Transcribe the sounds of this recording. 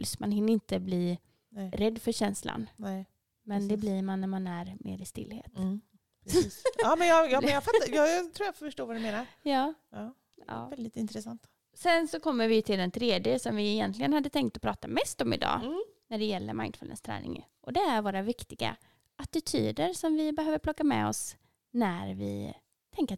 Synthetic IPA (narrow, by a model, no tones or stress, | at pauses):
smanɦɪnːɪnt̪əbliː | ɛɾɛd̪ːfœɾɕɛnsla̰nnɛ | mɛnd̪ɛbliːɾmanːæɾmanæɾmʔḛːɾɪst̪ɪ̰lhḛːt̪ | pʰɾiːsɑːmɛnjɑjɑɛnjafat̪ːajɑt̪ʰɾuːjaffœʂʈoːɾvad̪ɛmeːnaɾjɑː | ɑ | ɑ̰ːvɛd̪ɪt̪ɪnt̪ɾɛsant̪ | sɛnsɔkʰɔmːəɾvɪjɵt̪ʰɪld̪ɛnt̪ʰɾeːd̪jəsɔmvɪɪjɛnt̪ʰlɪɡənhad̪ːət̪ʰɛŋk̚t̪ɔpʰɾɑːt̪amɛst̪ɔmɪ̰d̪ɑ̰ːnæɖɛjɛlːə̰ɾma̰ɪnd̪fʉlə̰nst̪ʰɾɛ̰ːnʔɪ̰ŋ | ʔɔd̪ɛæɾvoːɾavɪkt̪ɪɡa̰ | at̪ɪt̪ʰy̰ːd̪əɾsɔmvɪbɛhøːvəɾpʰlɔkːamɛ̰ɔ̰s | næɾvɪ̰ | t̪ʰɛŋk̪